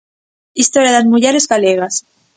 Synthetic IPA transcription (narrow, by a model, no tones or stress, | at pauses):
ist̪oɾjaðazmuʝeɾezɣaleɣ̞as